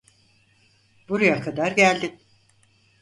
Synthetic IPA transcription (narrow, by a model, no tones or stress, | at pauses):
b̥uɾajakʰad̪aɾɟælʲd̪ɪ